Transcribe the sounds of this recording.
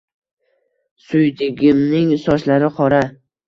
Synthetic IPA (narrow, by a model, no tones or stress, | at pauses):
sʊjd̪ɪɡʲɪmnɪŋsɒʃlaɾɪqʰɒɾa